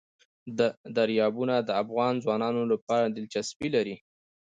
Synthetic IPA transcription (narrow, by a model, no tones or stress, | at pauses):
d̪əd̪aɾjɑbunad̪əafɣɑnzwɑnɑnolapɑɾad̪ɪlt͡ʃasbilaɾi